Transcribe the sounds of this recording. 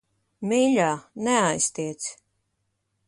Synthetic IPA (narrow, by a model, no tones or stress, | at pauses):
miʎʲaːnɛajst̪iɛt̪s